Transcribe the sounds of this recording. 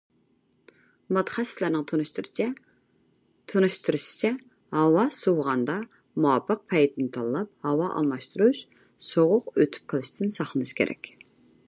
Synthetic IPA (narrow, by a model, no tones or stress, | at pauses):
mɑt̪ʰːχɛslæɾnɨŋt̪ʰonuʃt̪uɾt͡ʃʰɛ | t̪ʰunuʃt̪ʰuɾuʃi̥t͡ʃʰɛ | hɑwɑsowʁɑnd̪ɑ | muɑpəq̚pʰɛjt̪nɨt̪ʰɑlˠːɑp̚hɑwɑʔɑ̰lˠmɑʃt̪uɾuʃ | soʁʊqøt̪ʰy̥p̚qʰəlˠɨʃt̪ʰɪnsɑχlˠənɨʃkʲḛɾʔɛ̰kʲ